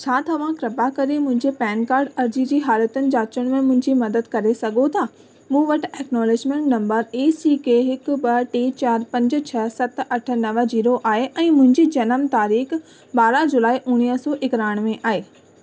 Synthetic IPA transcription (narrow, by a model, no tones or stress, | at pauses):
t͡ɕʰaːt̪ɐʋ̤ãkɾɐbakɐɾemʊ̃ɦɪ̃ɲd͡ʑepɛːnkaːɾɖɐɾd͡ʑid͡ʑiːɦaːlət̪ənɪ̆d͡ʑaːt͡ɕəɽ̃mẽmʊ̃ɦɪ̃ɲd͡ʑimɐd̪əd̪kɐɾesɐɡʱot̪ʰaː | mũːʋɐʈ̆ɛːknɔːlɪd͡ʑmẽɳʈnɐ̃mbəɾeːsiːkeɦɪkbɐʈeːt͡ɕaːɾpɐ̃ɲd͡ʑ̆t͡ɕʰɐsɐt̪ɐʈʰə̆nɐʋəd͡ʑiːɾoʔaːɦeʔɛ̃ːmʊ̃ɦɪ̃ɲd͡ʑid͡ʑɐnəmt̪aːɾiːx | baːɾad͡ʑʊlaːiʔʊɽ̃iːsɔːʔɪkɾaːɪɽ̃mẽʔaːɦeː